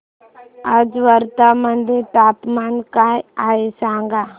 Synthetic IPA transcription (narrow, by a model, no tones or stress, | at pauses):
ad͡ʒʋəɾt̪amənd̪et̪aːp̪maːnkaaːesãːŋɡa